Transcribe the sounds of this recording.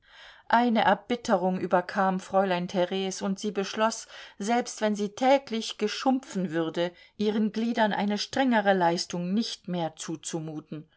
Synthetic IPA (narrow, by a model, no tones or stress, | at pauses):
ʔaɪnəʔɛɐbɪtʰəʁʊŋʔyːbɐkʰaːmfʁ̥ɔʏlaɪntʰɛʁɛːsʊntz̥iːbəʃlɔsz̥ɛlpstv̥ɛnziːtʰɛːklɪçɡ̥əʃʊmp͡fn̩vʏʁdə | ʔiːʁ̞ənɡliːdɐnʔa̰ɪnəʃtʁ̥ɛŋəʁəlaɪstʊŋnɪçtmeːɐt͡suːt͡sumuːtn̩